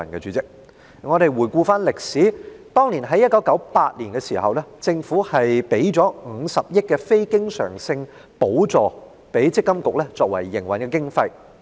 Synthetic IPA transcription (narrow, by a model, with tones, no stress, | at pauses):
ɐ˨˩nkɛː˧t͡sy˨˧˥t͡sɪ˥k̚ | ŋɔː˨˧ɾe˨˧jwuː˨˩jkuː˧faː˥nlɪ˨k̚siː˨˥t̪ɔː˥ŋliː˨˩nɦɐ˨˥jɐ˥t̚kɐ˨˥wkɐ˨˥wpaː˧t̚liː˨˩nkɛ˧siː˨˩hɐ̰˨wlɛː˥t͡sɪ˧ŋfuː˨˥hɐ˨jpe˨˥jt͡sɔː˨˥ŋ̩˨˧sɐ˨p̚jɪ˥t̚kɛː˧fe˥jkɪ˥ŋsœ̰ː˨˩ŋsɪ˧ŋ | po˨˥wt͡sɔː˨ | pe˨˥jt͡sɪ˥kːɐ˥mkʊ˨k̚lɛ˥t͡sɔː˧kwɐ̰˨˩jːɪ˨˩ŋwɐ˨nkɛː˧kɪ˥ŋfɐ˧j